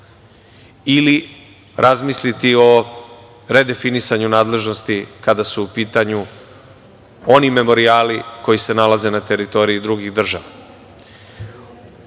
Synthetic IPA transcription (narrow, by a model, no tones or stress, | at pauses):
ili | ɾʔazmislit̪io̞ | ɾe̞d̪e̞finisaɲunaːd̪le̞ʒno̞st̪ikad̪asuːpiːt̪aɲu | o̞nime̞mo̞ɾiaːliko̞jise̞nalaze̞nat̪e̞ɾit̪o̞ɾijid̪ɾuɡiɣd̪r̩ʒaʋa